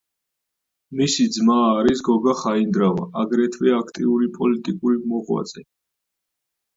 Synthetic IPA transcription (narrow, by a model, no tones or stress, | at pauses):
misid̪zmaːɾisɡɔɡaχaind̪ɾava̰aɡɾɛt̪ʰvɛakʰt̪ʼḭuɾipʼɔlit̪ʼikʼuɾimɔʁwa̰t̪zʼɛ